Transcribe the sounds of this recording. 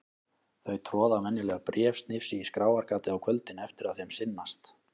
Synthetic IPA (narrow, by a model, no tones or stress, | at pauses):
θœɥt̪ʰɾɔːðamɛnːɪlɛɣapɾjɛːfst̪nɪfsiiskɾaːwaɾkaːt̪ɪawkʰvœlt̪ɪnɛft̪ɪɾaðθejmsɪnːast̪